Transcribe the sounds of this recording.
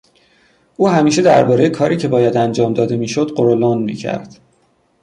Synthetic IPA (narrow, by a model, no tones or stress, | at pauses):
ʔuːhæmiːʃe̞d̪æ̰ɾbɒːɾe̞jekʰɒːɾiːcʰe̞bɒːjæd̪ænd͡ʒɒːmd̪ɒːd̪e̞miːʃod̪ɢoɾolonmḭːcʰæ̰ɾd̪̥